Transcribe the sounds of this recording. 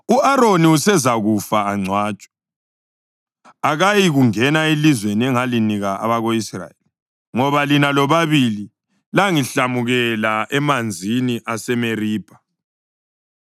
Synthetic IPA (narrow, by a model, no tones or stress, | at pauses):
uaɾoniusɛzaɣufaːŋ͡ǀʱwaːt͡ʃʼḁ | aɣajiɣuŋɛnailizweniɛŋaliniɣaa̰βaɣoisra̰jeli | ŋɔβalinalɔβaβili | laŋiɬamuɣɛlaɛmand͡zʱiniʔasɛmeriːb̥ʱḁ